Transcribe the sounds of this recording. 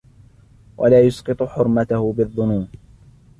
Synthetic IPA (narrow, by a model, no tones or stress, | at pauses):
wʔa̰laːjʊsqɨt̪ˤʊħʊɾmat̪ahʊbɪðˤːʊnuːm